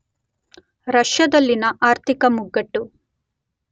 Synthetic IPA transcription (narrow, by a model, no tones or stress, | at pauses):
ɾɐʂjɐd̪ɐlːinɐʔaːɾt̪ʰikɐmuɡːɐʈːu